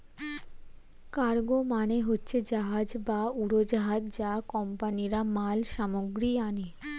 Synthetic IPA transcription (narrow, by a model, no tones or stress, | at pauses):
kaɾɡomaneɦotːɕʰed͡ʑaɦad͡ʑbauɾod͡ʑaɦad͡ʑd͡ʑakɔmpaniɾamalʃamoɡɾiane